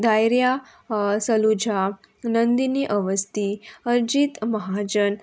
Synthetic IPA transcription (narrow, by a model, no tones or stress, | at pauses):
d̪ajɾja | səlud͡ʑʱa | nənd̪iniːʔəʋəst̪iəɾd͡ʑit̪məɦad͡ʑən